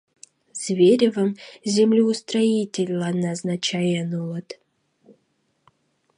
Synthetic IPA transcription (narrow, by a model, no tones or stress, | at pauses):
z̥vʲeɾʲɪvəmzʲemlʲiust̪ɾaitʲelʲlˠanaznat͡ɕʰajɛnulˠət̪